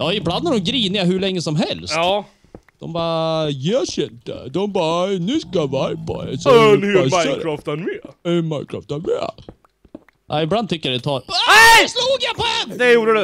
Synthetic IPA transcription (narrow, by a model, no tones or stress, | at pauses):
jɑːɪbland̪æɾɔmɡɾiːnɪaɦʉɭɛŋːəsɔmɦɛlstː | d̪̥ɔ̰mbɑːjɛɕɛnt̪ːə̰d̪ɔmbɑːnʉskavajpʰɔ̰ɛ̰snhʉmaɾɑft̪ɛnmeɛmaɪnkʰɾɑ̰ːft̪ɛnmḛ | ʔaɪbland̪t̪ʰʏkːəjad̪ɛt̪ʰɑːɛsluːɡapʰɔɛnd̪ɛjuːɖədɛ